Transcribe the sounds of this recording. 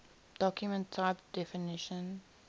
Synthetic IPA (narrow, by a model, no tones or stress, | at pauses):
d̥ɔkjumə̃ntʰːaɪp̚d̥ɛfɪnɪʃə̃n